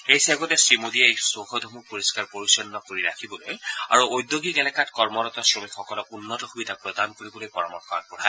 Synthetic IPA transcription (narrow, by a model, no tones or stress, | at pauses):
ejsaɡɔtɛsɹimodiɛejsoxʰɔdʱɔmupoɹiskaɹpoɹisɔnnɔkoɹiɹa̰kʰibɔloja̰ɹuojd̪joɡiɡɛlɛkatkɔɹmɔɾɔtɔsɹomikxɔkɔlɔkunːɔtɔxubidʱapɹɔdankoɹibɔlojpɔɹɔmɔɹxɔa̰pɔtʰaj